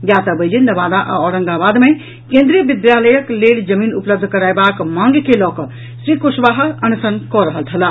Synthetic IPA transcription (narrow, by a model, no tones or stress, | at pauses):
jaːt̪əbəjd͡ʒinːəʋaːd̪aʔa̰ɔɾə̃ŋɡabaːd̪mẽ | kẽːnd̪ɾijəbid̪jaləjəkleːld͡ʒəmiːnupləb̚d̪ʱkəɾaːjbakmãŋɡkelɔːkɔ | sɾikuʃʋaːɦəənsənkɔɾəɦəlt̪ʰəla